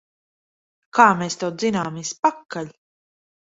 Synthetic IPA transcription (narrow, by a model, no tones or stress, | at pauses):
kaːmeːst̪ɛw̪zinaːmispakːaʎʲ